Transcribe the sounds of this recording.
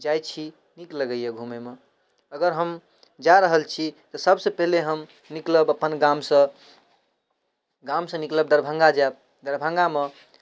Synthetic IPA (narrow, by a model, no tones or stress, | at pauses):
d͡ʒajt͡ʃʰi | nikləɡəjeɡʱumeme | əɡəɾɦəm | d͡ʒaɾəɦəlt͡ʃʰit̪ɔsəbsəpəɦleɦəm | nikləbəpənɡamsə̃ | ɡamsə̃nikləb̚d̪əɾbʱə̃ŋɡad͡ʒab | d̪əɾbʱə̃ŋɡame